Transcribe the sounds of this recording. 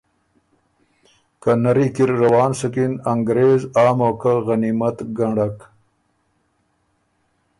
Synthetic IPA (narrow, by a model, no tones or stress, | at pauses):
kanaɾikiɾːawɑːnsəkinaŋɡɾeːzɑːmoːkaɣanimat̪ɡaɳɖak